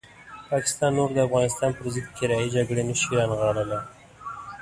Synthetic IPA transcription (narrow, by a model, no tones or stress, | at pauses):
pɑkɪ̥st̪ɑnːoɾd̪əafɣɑnɪst̪ɑnpəɾzɪd̪̚kɪɾɑid͡ʒaɡɽenəʃiɾɑnɣɑɽəla